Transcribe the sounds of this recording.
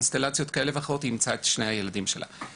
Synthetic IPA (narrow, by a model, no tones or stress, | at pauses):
nst̪elat͡sijo̞tkaʔelevaχʁo̞t̪iimt͡saet̪ʃnejhajeladimʃelʔa̰